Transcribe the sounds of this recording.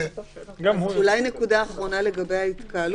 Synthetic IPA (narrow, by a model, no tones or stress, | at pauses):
ɡulajnekud̪aːχʁo̞nale̞ɡabejhait̪kal